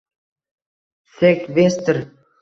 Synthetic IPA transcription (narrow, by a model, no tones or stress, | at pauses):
sekβest̪ə̆r